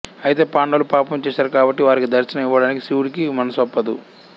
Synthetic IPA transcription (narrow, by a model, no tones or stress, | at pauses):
ɐjit̪e̞ːpaːɳɖɐlupaːpɐmt͡ʃɛːʃaːɾukaːbɐʈːiʋaːɾikid̪ɐɾt͡ʃɐnɐmiʋːɐɽaːnikisiwuɽikimɐnɐsɐpːɐd̪u